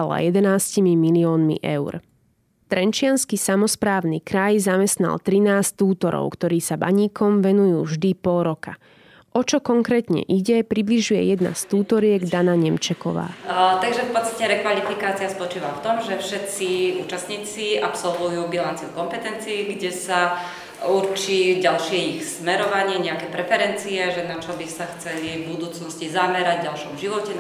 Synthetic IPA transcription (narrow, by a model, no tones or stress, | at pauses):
ala̰jɛd̪ɛnaːscimimiliɔːnmḭʔɛ̰ʊɾ | t̪ɾɛnt͡ʃɪanskisamɔspɾaːʊnikɾajzamɛst̪na̰lt̪ɾinaːst̪uːt̪ɔɾɔ̰ʊkt̪ɔɾiːsaba̰ɲiːkɔmʋɛnujuːvʒd̪ipɔlɾɔka | ʔɔt͡ʃɔkɔŋkɾɛːt̪ɲɛ̰ʔiɟɛpɾibliʒujɛ̰jɛd̪na̰st̪uːt̪ɔɾɪɛɡd̪anaɲɛmt͡ʃɛkɔ̰ʋa̰ːt̪aɡʒɛfpɔt̪st̪acɛɾɛkʋalifikaːt͡siaspɔt͡ʃiːʋaft̪ɔmʒɛfʃɛt̪t͡siuːt͡ʃast̪ɲiːt͡siapsɔlʋujuːbilant͡siukɔmpɛt̪ɛnt͡siːɡɟɛsa | uɾt͡ʃiːɟalʃɪɛixsmɛɾɔʋaɲɪɛɲɛakɛːpɾɛfɛɾɛnt͡siɛʒɛnat͡ʃɔbisaxt͡sɛlivbud̪uːt͡snɔscizamɛɾaɟɟalʃɔmʒiʋɔcɛ